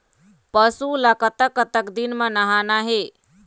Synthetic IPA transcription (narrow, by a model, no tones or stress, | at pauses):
pəsulakət̪əkːət̪əkd̪inmenaɦanaɦe